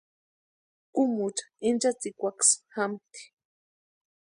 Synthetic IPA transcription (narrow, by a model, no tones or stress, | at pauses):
kumuʈ͡ʂḁint͡ʃat͡sikʷaksxamt̪i̥